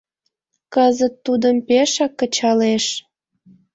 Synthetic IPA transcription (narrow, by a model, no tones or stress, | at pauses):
kəzət̪ːud̪əmpeʃɑkːət͡ɕɑleʃ